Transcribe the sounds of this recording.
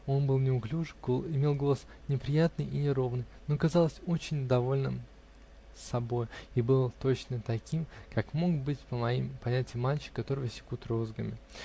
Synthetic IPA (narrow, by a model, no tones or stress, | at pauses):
o̞nbɨlˠnʲɪʊklʲuʐɨɡɪmʲe̞lˠɡo̞lˠəs | nʲɪpɾʲɪjat̪nɨjinʲɪɾo̞vnɨjno̞kɐzɑlˠəsʲo̞t͡ɕɪnʲd̪ɐvo̞lʲnɨ̰m | sɐbo̞jibɨlˠt̪o̞t͡ɕnət̪ɐkʲimkʰakmo̞kbɨtʲpəmɐjimpɐnʲætʲɪjɪmːalʲt͡ɕɪ̥kːɐt̪o̞ɾɨvəsʲɪ̥kut̪ɾozɡəmʲɪ